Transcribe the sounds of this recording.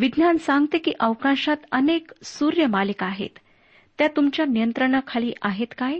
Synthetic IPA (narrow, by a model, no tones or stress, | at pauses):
ʋid̪nansãŋɡt̪ekḭːʔəʋkãɕat̪əneksuɾjəmalikaɦḛt̪ː | jat̪umt͡ɕjanijənt̪ɾəɳ̃akʰaliːʔaɦet̪kaj